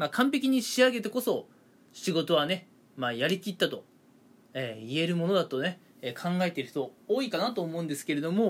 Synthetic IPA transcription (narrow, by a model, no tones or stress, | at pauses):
makʰãmpe̞kʲiɲ̟iɕiaɡe̞t̪e̞ko̞so̞ | ɕiɡo̞t̪o̞β̞ane̞ | maːjaɾʲikʲit̪ːat̪o̞ | eːie̞ɾɯ̟mo̞no̞d̪at̪o̞ne̞ | eːkʰãŋɡae̞t̪e̞ɾɯ̟̥t̪o̞oːikanat̪o̞ːmo̞ɯ̃nd̪e̞sɨ̥ke̞ɾe̞d̪o̞mo̞